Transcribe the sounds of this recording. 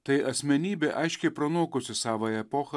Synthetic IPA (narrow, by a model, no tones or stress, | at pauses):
t̪ɐɪʔɐsʲmʲɛnʲiːbʲɛʔɐɪʃʲkʲɛɪpɾɐnuɔkʊsʲɪsɑːʋɐɛpoːxɐ